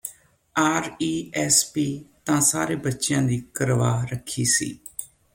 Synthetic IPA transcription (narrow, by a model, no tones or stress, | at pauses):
aːɾiːɛːspiːt̪ãːsaːɾeːbətːʃjãːd̪iːkəɾʋaːɾəkʰːiːsḭː